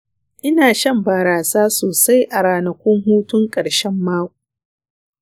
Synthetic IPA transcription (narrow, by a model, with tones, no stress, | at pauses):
ʔɪ˦naː˨ʃɐ˦mbaː˨ɾaː˨saː˦soː˨sa˦jʔa˨ɾaː˨nɐ˨kʷʊ˦ŋɦuː˦tʊ˦ŋkʼɐ˨ɽʃɛ˦mːaː˦kʷu˨